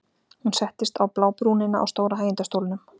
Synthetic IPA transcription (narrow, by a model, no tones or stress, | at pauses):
hunsɛht̪ɪst̪awplaːwpɾunɪnːaʔa̰wst̪oːwɾaɦaːjɪnt̪ast̪owlnʏm